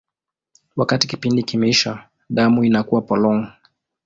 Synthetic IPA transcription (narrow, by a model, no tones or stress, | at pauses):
wakatikipindikimɛiʃa | ɗamuinakuwapɔlɔŋ